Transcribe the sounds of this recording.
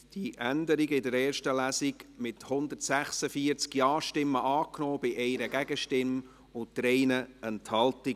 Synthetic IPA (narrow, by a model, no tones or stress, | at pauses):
d̥iʔænd̪əɾiɡəɪdəɾɛːrʃtəlæːsɪɡmɪthʊnd̪ərtsæχsəfiəɾt͡skjɑːʃtɪmːəʔɑːknɔːb̥ɪʔɛɪɾəɡæɡəʃtɪm | ʊntd̥ɾɛɪnəɛnthɑltɪ